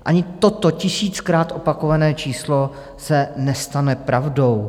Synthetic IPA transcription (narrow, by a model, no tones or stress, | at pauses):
ʔaɲɪt̪ot̪o̞cɪsiːt͡skɾaːt̪ʔo̞pako̞vanɛːt͡ʃiːslo̞ | sɛnɛst̪anɛpɾavdo̞w